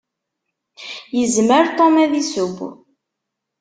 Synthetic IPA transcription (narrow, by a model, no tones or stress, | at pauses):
jəzməɾt̪ˤomæðisub